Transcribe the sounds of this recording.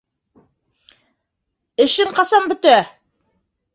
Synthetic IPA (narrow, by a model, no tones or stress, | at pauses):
ɘ̆ʃɘɴqɑsɑmbɵ̆t̪æ